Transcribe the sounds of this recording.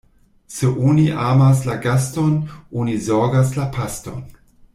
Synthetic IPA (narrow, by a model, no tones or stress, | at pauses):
seʔuniʔaːmas̬laɡastonʔunizoɡas̬lapʰasto̰n